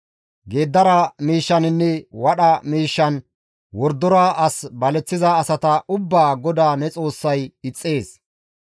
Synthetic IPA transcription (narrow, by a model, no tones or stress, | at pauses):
ɡe̞ːd̪ːɐɾɐmiːʃːɐnɪnːɛwɐɗɐmiːʃːɐn | wɔɾd̪ːɔɾaːʔɐsbɐlɛt͡sːɪzaːsɐt̪ɐʔʊbːaːɡɔd̪aːnɛt͡sʼo̞ːsːɐjɪt͡sʼːe̞ːs